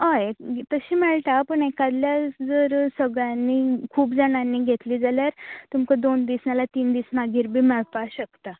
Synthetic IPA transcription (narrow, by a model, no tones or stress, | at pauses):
ɦəjt̪əɕiːmɛɭt̪apəɳekad̪ljad͡zəɾsəɡɭjanːikʰuːpd͡zəɽ̃anːiːɡʱet̪liːd͡zaljaɾt̪umkəd̪ond̪isnalat̪iːnd̪iːsnaɡʱiːɾbʱiːmɛɭpaɕəkt̪a